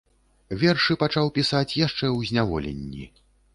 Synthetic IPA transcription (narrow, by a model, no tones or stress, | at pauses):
vʲɛrʂɨpat͡ʂawpʲisat͡sʲjaʂt͡ʂɛwzʲnʲavɔlʲḛnʲːḭ